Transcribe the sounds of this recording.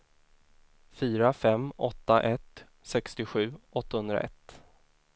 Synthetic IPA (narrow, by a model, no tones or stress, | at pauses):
fyːɾafɛmːɔt̪ːaʔɛt̪ | sɛkst̪ɪɧʉ̟ːʔɔt̪ːahɵnd̪ɾa̰ʔɛ̰t̪ː